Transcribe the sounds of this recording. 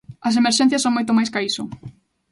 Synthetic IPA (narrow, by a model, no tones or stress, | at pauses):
ɐs̬emeɾʃɛn̟θjɐsːõŋmojt̪̬ʊmajskaisʊ